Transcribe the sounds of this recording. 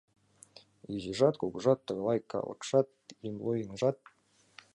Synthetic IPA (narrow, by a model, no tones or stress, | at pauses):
iʑiʐɑt̪̚kuɡuʐɑt̪ːɤ̆ɣlˠɑjkːɑ̰lˠɤ̰̆kʂɑt̪̚imlˠojinʐɑt̪̚